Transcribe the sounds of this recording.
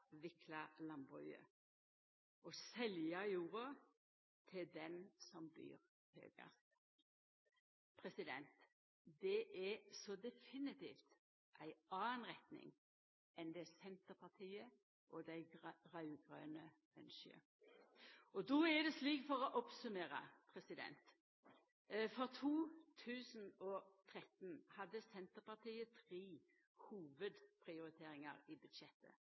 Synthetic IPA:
ʋɪkʰlɑlɑnbʁœə̰ | ʔɔsɛljɑjuːʁɑ | t̪ʰɪld̪ɛnsɔmb̪y̰ːʁ | hø̰ːɡə̰st̪ | pʰʁɛsɪd̪ɛnt̪ | d̪ɛʔɛsɔd̪ɛfɪnɪt̪ḭːft̪ | ʔæɪɑːənʁɛt̪nɪ̰ŋ | ʔɛnd̪ɛsɛnt̪əpʰɑt̪ʰiːə | ʔɔd̪æɪɡʁɑʉɡʁø̰ːnə | ɛ̰nʃə̰ | ɔd̪ɔæd̪ɛsliːkfɔʁɔʔɔpsʉmeːʁɑ̰pʰʁɛsɪd̪ɛ̰nt̪ | fɔʁt̪ʰuːt̪ʰʉːsnɔt̪ʰʁɛt̪nhɑd̪ːəsɛnt̪əʁpɑʁt̪ʰiːət̪ʰʁiː | huːʋəd̪pʰʁɪʊɾɪt̪ʰeːɾɪŋɑɾɪbʉd̪ʃɛt̪ːə̰

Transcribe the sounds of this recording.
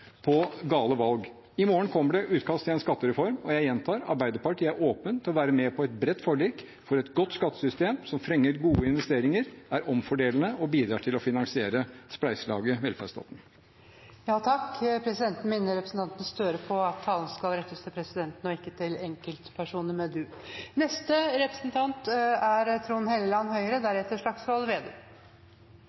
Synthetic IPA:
pʰɔɡɑːləʋɑlɡ | ɪmoːəɳkʰɔmːəɖɛʔʉːt̪kʰɑst̪ʰɪɛnskɑt̪ːəɾɛfɔɾmɔjæɪjɛnt̪ʰɑːɾɑ̰ɾbæɪd̪əɾpɑʈːæɾʔoːpənt̪ʰɪlɔʋæːɾəmɛpʰɔɛt̪bɾɛt̪ːfɔɭiːk | fɔɾɛt̪ɡɔt̪ːskɑt̪ːə̥sʏst̪eːmsɔmfɾɛŋːəɾɡuːəɪnʋɛst̪eːɾɪŋəɾæɾʔɔmfɔɖeːlən̩əʔɔbiːd̪ɾɑːʈʰɪlɔfɪnɑŋsɪeːɾəsplæɪslɑ̰ːɡəʋɛlfæʂt̪ɑ̰ːt̪n̩ | jɑːt̪ʰɑkːpʰɾɛsɪd̪ɛnt̪n̩mɪnːəɾɛpɾəsn̩t̪ɑnt̪ənst̪øːɾəpʰɔɑt̪ʰːɑːlən̩skɑlɾɛt̪ːəst̪ʰɪlpʰɾɛsɪd̪ɛnt̪n̩ɔɪkːət̪ʰɪlɛŋkəlt̪pʰæʂuːnəmɛd̪ʉnɛst̪əɾɛpɾəsn̩t̪ʰɑnt̪æɾt̪ʰɾuːnhɛləlɑnhœʏəɾəd̪æɾɛt̪ːəʂɭɑksʋɑlʋeːd̪eː

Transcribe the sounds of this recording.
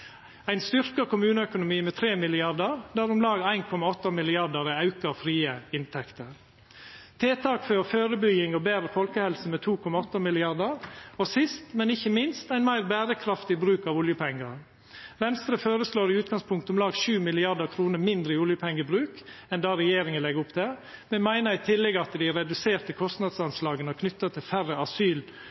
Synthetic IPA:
æɪnst̪ʏɾkəkʊmʉːnəœkʊnʊmiːmɛːt̪ʰɾeːmɪlɪɑɾd̪əɾd̪æɾʊmlɑːɡæɪnkʰɔmɑɔt̪ːəmɪlɪɑd̪əɾɛɑʉkəfɾiːəɪnt̪ʰɛkt̪əɾ | t̪ʰeːt̪ʰɑːkføːɾføːɾəbʏɡɪŋɔbeːɾəfɔlkəhɛlsəmɛːt̪ʰuːkʰɔmɑɔt̪ːəmɪlɪɑd̪əɾɔsɪst̪mɛnɪçəmɪnst̪æɪnmæɪɾbæːɾəkʰɾɑft̪ɪbɾʉːkɑʋʊljəpʰɛŋːəɾ | ʋɛnst̪ɾəfoːɾəsloːɾɪʉːt̪̚ɡɑŋspʰʊŋkt̪ɔmlɑːɡʃʉːmɪlɪɑd̪əɾkʰɾuːnəɾmɪnd̪ɾəɪʊljəpʰɛŋːəbɾʉːkɛnd̪ɑːɾɛjeːɾɪŋənlɛɡʊpt̪ʰɛmɛnmæɪnəɾɪt̪ʰɪlːɛɡɑt̪d̪ɪɾɛd̪ʉseːɾt̪əkʰɔst̪nɑd̪sɑnslɑːɡənəkʰnʏt̪ːət̪ʰɪlfæɾəɑsyːl

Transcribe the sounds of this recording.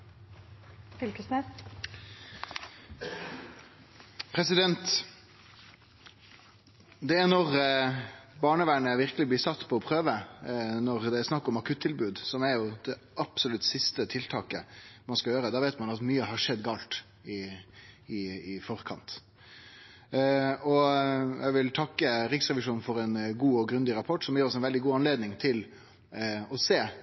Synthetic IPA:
fɪlkəsnɛ | pʰɾɛsɪd̪ɛnt̪ | d̪ɛæɾnɔʁ | bɑːɳəʋæːɳəʋɪɾkəlɪblɪɾsɑt̪ːpʰɔɔpʰʁøːʋənɔɾd̪ɛæɾsnɑkːɔmɑkʰʉt̪ʰːɪlbʉːd̪sɔmɛɾjʊd̪̥ɛ | ʔɑpsɔlʉt̪sɪst̪ət̪ʰɪlt̪ʰɑːkəmɑnskɑjøːɾəd̪ɑːʋeɪt̪mɑnɑt̪myːəɦɑʂɛd̪ːɡɑːlt̪ | ɪ | ɪɪfɔɾkʰɑ̰nt̪ | ɔjæʋɪlt̪ʰɑkːəɾɪksɾɛʋɪʂuːnn̩fɔɾɛnɡuːɔɡɾʉnd̪ɪɾɑpʰɔʈːsɔmjɪːɾɔs̬ɛnʋɛld̪ɪɡuːɑnleːd̪nɪŋt̪ʰɪl | ɔseː

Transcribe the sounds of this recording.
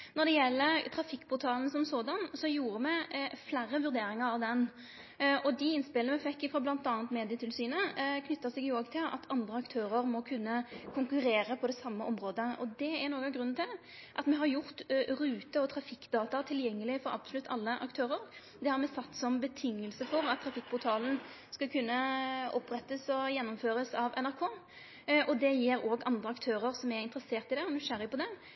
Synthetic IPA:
nɔɾd̪ɛjɛlːət̪ʰɾɑfɪkːpʰʊt̪ʰɑːln̩sɔmsoːd̪ɑnsɔjuːɾəmɛflæːɾːəʋʉɾd̪eːɾɪŋəɾɑʋd̪ɛn | ʔɔd̪ɪɪnːspɪlnəmɛfɛkːɪfʁɑːblɑnt̪ɑːnt̪meːd̪ɪət̪ʰɪlsyːnəkʰnʏt̪ːəsɛɡjʊoːɡt̪ʰɪlɑ̰t̪ʰɑnd̪ɾəɑkt̪ʰøːɾəɾmɔkʰʉnːəkʰʊŋkʉɾeːɾəpʰɔd̪ɛsɑmːəʔɔmɾoːd̪əʔɔd̪ɛːʁnoːɡɑɡʁʉnːnt̪ɪl | ʔɑt̪mɛɦɑɾjʊʁt̪ɾʉːt̪əɔt̪ʰɾɑfɪkːd̪ɑːt̪ɑt̪ʰɪljɛŋːəlɪfɔɾɑ̰b̥sʊlʉt̪ʰːɑ̰lːəʔɑ̰kt̪ʰøːɾəɾ | d̪ɛhɑɾmɛsɑt̪ːsɔmbət̪ʰɪŋːəlsəfɔɾɑt̪ʰːɾɑfɪk̚ːpʰʊɾt̪ʰɑːln̩ | skɑlkʰʉnːəɔpɾɛt̪ːəsɔjɛnːɔmføːɾəsɑʋɛ̰næɾkʰoː | ʔɔd̪ɛjiːɾoːɡɑnd̪ɾəɑkt̪ʰøːɾəɾsɔmɛɪnt̪əɾəseːʁt̪ɪd̪ɛɔnʉʂæɾɪpɔd̪ɛ

